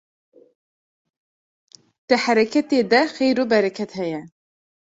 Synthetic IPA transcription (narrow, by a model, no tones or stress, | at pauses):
d̪̥ɨhæɾɛkʰɛt̪eːd̪ɛxejɾoːbɛɾɛkʰɛt̪hɛjɛ